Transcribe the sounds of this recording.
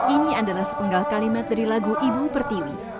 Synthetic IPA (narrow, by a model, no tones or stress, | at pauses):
ʔiniadalahsə̥pəŋɡalkalimat̪̚daɾilaɡuʔibupərt̪iwi